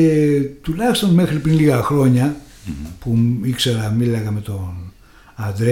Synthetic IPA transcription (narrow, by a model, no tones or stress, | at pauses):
et̪ulɐçist̪o̞nme̞xɾipɾinliɣɐxɾo̞ɲɐ | puikse̞ɾɐmilɐɣɐme̞t̪o̞n | ɐnd̪ɾe